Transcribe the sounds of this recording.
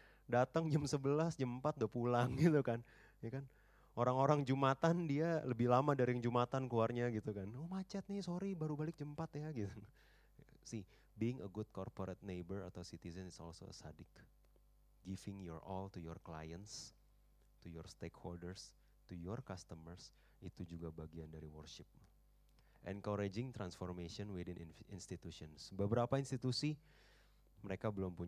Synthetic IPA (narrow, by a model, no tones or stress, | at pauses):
dat̪əŋd͡ʒəmsəbəlasd͡ʒəmpat̪̚dapulaŋɡit̪ukan | jakan | oɾaŋoɾaŋd͡ʒumat̪andialəbɪhlamadaɾŋd͡ʒumat̪ankluarɲaɡit̪ukanomat͡ʃat̪̚nɪhsoɾibaɾubalɪk̚d͡ʒəmpat̪jaɡit̪u | sih | biɪŋə̰ɡʊd̪̚kɔrpoɾɛt̪̚nebəra̰t̪awsit̪izənɪsɔ̰lso̰ə̰sa̰dɪk | ɡifɪŋjɔrɔlt̪ujɔrklajəns | t̪ujɔrst̪ekholdərs | t̪ujɔrkast̪əmərs | it̪ud͡ʒuɡabaɡiandaɾiwərʃɪp̚ | ʔɛ̰nkɔɾed͡ʒɪŋt̪ɾansfɔrmeʃiɔnwidinʔḭnst̪it̪usiɔnsbəbəɾapainst̪it̪usi | məɾekabəlɔmpuɲ